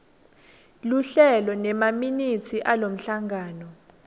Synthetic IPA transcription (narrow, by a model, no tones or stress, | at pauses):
luɬɛlɔnɛmaminitʰiʔalom̩ɬaŋɡʱaːnɔ